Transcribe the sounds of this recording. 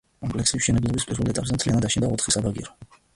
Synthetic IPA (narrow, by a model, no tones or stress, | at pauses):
kʼɔmpʼlɛksisʃɛnɛblˠɔbispʼiɾvɛlˠɛt̪ʼapʼzɛmt̪ʰlianad̪aʃind̪aɔt̪ʰχisabaɡḭɾɔ